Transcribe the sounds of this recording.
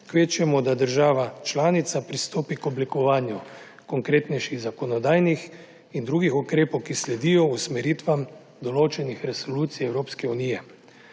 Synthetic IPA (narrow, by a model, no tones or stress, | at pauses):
kʋeːt͡ʃɛmɔd̪ad̪əɾʒaːʋat͡ʃlaːnit̪sapɾist̪oːpikɔblikɔʋaːnju | kɔŋkɾeːt̪nɛjʃiɣzakɔnɔd̪aːjnix | ind̪ɾuːɡixukɾeːpɔwkislɛd̪ijɔusmɛɾiːt̪ʋam | d̪ɔloːt͡ʃɛnixɾɛsɔluːt̪sijɛwɾoːpskɛunijɛ